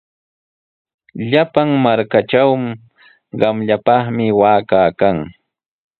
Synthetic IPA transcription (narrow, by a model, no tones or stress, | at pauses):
ʎapaŋmaɾkaʈ͡ʂawm | ɢɑmʎapɑχmɪwaːkaːkaŋ